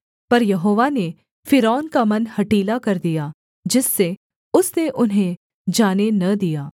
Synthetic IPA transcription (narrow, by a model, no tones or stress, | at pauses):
pɐɾjɐɦoːʋane | fʰɪɾɔːnkamɐnhɐʈiːlakɐɾd̪ijaː | d͡ʒɪsːe | ʊsneʔʊnɦẽ | d͡ʒaːnenɐd̪ijaː